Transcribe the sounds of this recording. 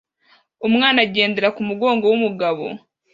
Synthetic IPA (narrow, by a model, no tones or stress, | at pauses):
umŋaːnaɟe̞ːnde̞ɾakumuɡo̞ːŋɡo̞wumuɡaβo̞̰